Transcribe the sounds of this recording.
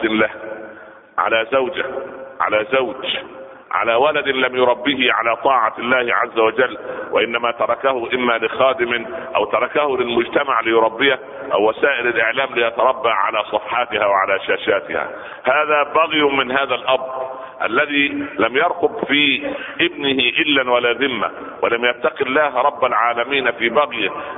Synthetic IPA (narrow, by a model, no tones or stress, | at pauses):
lah | ʕa̰laːzawd͡ʒaʕa̰laːzawd͡ʒ | ʕa̰laːwalad̪ɪnlamjʊɾˤɑbːiːhɪʕalaːt̪ˤɑːʕɑlːaːhɪʕa̰zːawad͡ʒalːwʔa̰ʔɪnːamaːt̪ɑɾˤɑkahʊʔɪmːaːlɪxɑːd̪ɪmɪʔa̰wt̪ɑɾˤɑkahʊlɪlmʊd͡ʒt̪amaʕlɪjʊɾˤɑbːɪja | ʔa̰wːasaːʔɪlalʔɪʕlaːmlɪjʔat̪ɑɾˤɑbːaːʕa̰laːsˤɑfħɑːt̪ɪhaːwaʕa̰laːʃaːʃaːt̪ɪ̰ha̰ː | haːðaːbaɣjmɪnɦaːðalʔɑbɾˤ | ʔalːaðiːlamjɑɾˤqʊbfiːʔɪbnɪhɪʔɪlːanwalaːðɪmːa̰ | walamjat̪ːaqɪlːaːɦɾˤɑbːalʕaːlamiːnfiːbaɣjɪ